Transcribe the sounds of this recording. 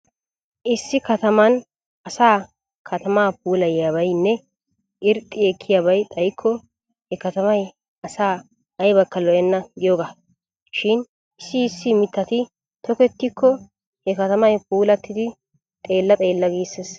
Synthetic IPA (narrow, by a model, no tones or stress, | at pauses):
ʔɪsːɪkɐt̪ɐmɐn | ɐsaː | kʰɐt̪ɐmaːp̚uːlɐjjaβɐjnːɛ | ʔɪɾt̪ʼːɪɛkʰːɪjabɐjt̪ʼɐjkʰːɔ | hɛkɐt̪ɐmɐj | ɐsaː | ɐjbɐkːɐlɔjɐnːɐɡɪjoːɡa | ʃɪn | ɪsːɪːsːɪmɪt̪ːɐt̪ɪ | t̪ɔkɛt̪ːɪkʰːɔ | hɛkɐt̪ɐmɐjpuːlɐt̪ːɪd̪ɪ | t̪ʼe̞ːlːɐt̪ʼe̞ːlːɐɡiːses